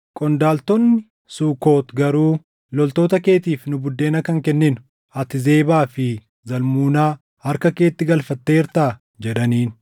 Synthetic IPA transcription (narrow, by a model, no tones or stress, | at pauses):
kʼɔnd̪aːlt̪ɔnːɪ | suːko̞ːt̪ɡɐɾuː | lɔlt̪o̞ːt̪ɐke̞ːt̪iːfnʊbʊd̪ːeːnɐkɐŋkɛnːɪnʊ̥ | ɐt̪ɪze̞ːbaːfɪ | zɐlmuːnaː | hɐɾkɐke̞ːt̪ːɪɡɐlfɐt̪ːe̞ːɪɾt̪aː | d͡ʒɛᶑɐniːn